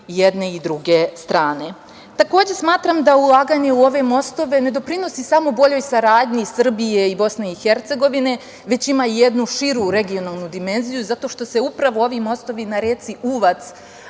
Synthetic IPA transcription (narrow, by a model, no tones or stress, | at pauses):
jed̪ne̞id̪ɾuɡe̞st̪ɾaːne̞ | t̪ako̞ːd͡ʑe̞smaːt̪ɾamd̪aulˠaːɡaɲe̞uo̞ʋe̞mo̞st̪o̞ʋe̞ne̞d̪o̞pɾino̞sisamo̞bo̞ʎo̞jsaɾaːd̪ɲisr̩bije̞ibo̞sne̞ixe̞ɾt̪se̞ɡo̞ʋine̞ | ʋe̞t͡ɕimauje̞d̪nuʃiɾuɾe̞ɡijo̞naːlˠnud̪ime̞nzijuzat̪o̞ʃt̪o̞se̞upɾaʋo̞o̞ʋimo̞st̪o̞ʋinaɾet̪siʔuːʋat̪s